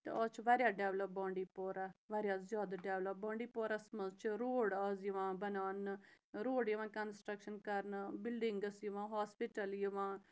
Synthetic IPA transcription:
t̪ḛɔt͡ʃʋaːɾjaːɖɛːʋləp̚bɔ̃ːɳɖiːpoːɾaːʋaːɾjaːzjaːd̪aːɖɛːʋləp̚bɔ̃ːɳɖiːpoːɾaːsəməzt͡ʃɾoːɽəzʋãːbənaːn | ɾoːɽjəʋãːkənsʈɾəkʃənkəɾnbɪlɖɪŋɡəsjəʋãːɦaːspɪʈəljəʋãː

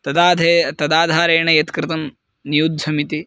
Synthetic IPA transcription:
t̪ɐd̪aːd̪ʱet̪ɐd̪aːd̪ʱaːɾeːɳɐjɐt̪kɾɪt̪ɐm | nijud̪ʱd͡ʒɐmit̪i

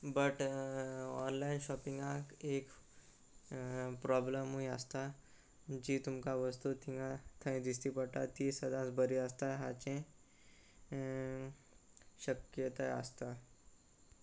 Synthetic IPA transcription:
bəʈ | ɔ̰nlainɕɔpiŋɡãkek | pɾɔbləmuĩəst̪a | d͡ʑiːt̪umkaʋəst̪ut̪ĩŋãt̪ʰə̃ĩd̪is̬t̪ipəɽʈ̪a̰t̪isəd̪ʱãsbəɾiəst̪aɦa̰t͡ɕẽ | ɕəkjət̪aə̰st̪a

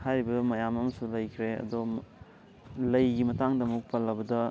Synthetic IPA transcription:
hajɾibɐmɐjamɐmɐsulɐjkʰɾeɐ̰do | lɐjɡimɐtaŋdɐmuk̚palːɐbɐdɐ

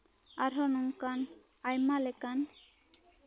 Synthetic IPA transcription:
aɾɦɔnuŋkan | ajmalekan

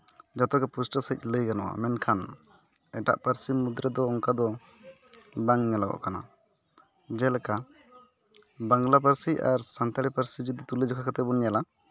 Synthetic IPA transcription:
d͡ʒɔt̪ɔkɛpusʈəsəc̚ˀləjɡanɔwa̰mɛnkʰan | ɛʈa̰ʔpəɾsimud̪ɾɛd̪ɔːŋkad̪ɔ | baŋɲalaɡɔ̰ʔkana̰ | d͡ʒɛlɛka | baŋɡlap̬əɾsiaɾsant̪aɽɛpəɾsid͡ʒud̪it̪ulid͡ʒɔkʰakat̪ɛbɔnjala

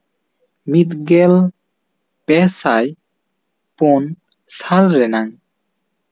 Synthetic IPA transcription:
mit̪̚ɡɛl | pɛsaj | pon | salɾɛnaŋ

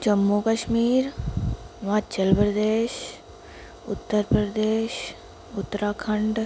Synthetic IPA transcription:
d͡ʒəmːukəʃmiːɾ | ʋaːt͡ʃəlpɾəd̪eːʃ | ʊt̪ːəɾpɾəd̪eːʃ | ʊt̪ːɾaːkʰəɳɖ

